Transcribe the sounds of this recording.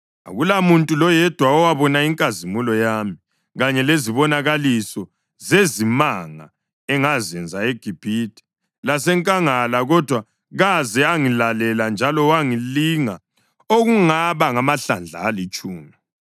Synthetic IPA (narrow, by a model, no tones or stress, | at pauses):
a̰ɣulamuntʼulɔjɛd̥ʱwaɔwaβɔnaiŋkʼazimulɔjami | ɣaɲɛleziβɔnaɣalisɔ | zezimaŋa̰ | ɛŋazɛnd͡zʱaeɡ̥ʱib̥ʱitʰʼi̥ | lasɛŋkʼaŋalaɣɔd̥ʱwa | ɣazɛaŋilalɛland͡ʒʱalɔwaŋiliŋa | oɣuŋaβaŋamaɬand͡ɮʱa̰ːlit͡ʃʼuːni